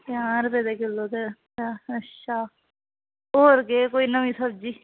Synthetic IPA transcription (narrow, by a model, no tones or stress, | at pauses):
pjaːɾbeːd̪eːkɪlːoːd̪e | əʃʰaː | oːɾɡeːkoːiːnəʋĩːsəb̚d͡ʒiː